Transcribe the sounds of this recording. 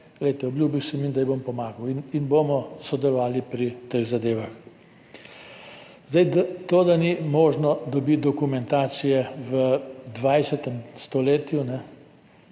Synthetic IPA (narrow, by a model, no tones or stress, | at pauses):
ɡlɛjt̪ɛɔblʲjuːbiwsɛmind̪ajbompɔmaːɡɐwininboːmɔsɔd̪ɛlɔʋaːlipɾit̪eɣzad̪eːʋax | zd̪ajd̪at̪oːd̪animoːʒnɔd̪ɔbit̪̚d̪ɔkumɛnt̪aːt̪sijɛʋəd̪ʋajsɛt̪ɛmst̪ɔleːt̪junɛ